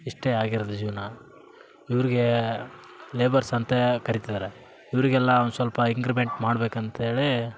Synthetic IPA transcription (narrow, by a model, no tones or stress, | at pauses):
iʂʈeːaːɡiɾɐd̪ud͡ʒiːʋɐnɐ | iʋɐɾiɡe̞ | leːbɐɾsɐnt̪ekɐɾit̪id̪aːɾe | iʋɐɾiɡɛlːɐʋnd̪usʋɐlpɐiŋɡɾibeɳʈmaːɽbeːkɐnt̪eːɭi